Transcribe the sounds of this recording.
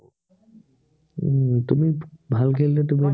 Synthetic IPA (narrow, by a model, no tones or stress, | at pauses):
t̪umibʱalkʰelːet̪umi